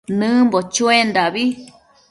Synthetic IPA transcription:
nɨ̃mbot͡ʃũẽnd̪aβi

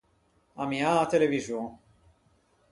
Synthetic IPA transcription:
amiaːt̪eleviʒjõ

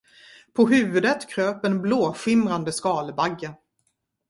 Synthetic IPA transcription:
pʰɔɦʉ̟ːvɵd̪ət̪kʰɾøːpɛnbloːɧɪmɾand̪əskɑːlbaɡːə

